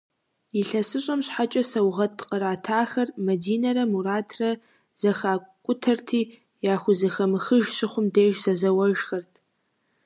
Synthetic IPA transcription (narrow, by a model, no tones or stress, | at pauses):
iɬɐsɨɕʷʼɐmɕħat͡ʃʼɐsɐwʁɐtʰqəɾaːtʰaːxɐrmɐdiːnɐɾɐmuɾaːtʰrɐ | z̥ɐxaːkʷʼʊtʰɐrtʰiː | jaːxʷʊzɐxɐmɨxɨʒɕɪχʷʊmdeːʒsɐzɐwɐʒxɐrtʰ